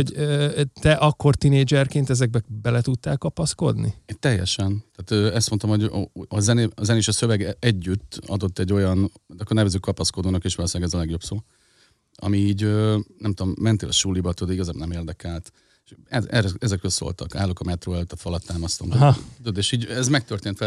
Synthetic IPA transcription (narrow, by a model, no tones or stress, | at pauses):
oɟøːt̪ɛʔɒkːo̞rt̪ineːd͡ʒɛrkeːnt̪ɛzɛɡ̚bɛbɛlɛt̪ut̪ːaːlkɒpɒsko̞̰d̪nḭt̪ɛjːɛ̰ʃɛnt̪aːt̪øːɛst̪mot̪omho̞ɟɒzɛneɒzɛneːʃɒsøvɛɡɛɟːyt̪ːɒ̰d̪o̞t̪ːɛɟːo̞jɒnd̪ɒkːornɛvɛzøːkːɒpɒsko̞d̪oːnɒkeːʃʋɒlosɛːɡɛzɒlɛɡjo̞bsoː | ɒ̰miːɟøːnɛmt̪od̪omːɛnt̪eːlɒʃulːibɒt̪ud̪iɡɒzaːbnɛmeːrd̪ɛkɛlt̪ | eʃɛɛrɛɛzɛkrølso̰lt̪ɒ̰ka̰ːlːokɒmɛt̪roːɛløːt̪ːɒfɒlɒt̪ːaːmɒst̪omt̪t̪ud̪eːʃiːɟɛzmɛk̚t̪ørt̪eːnt̪ʋɛ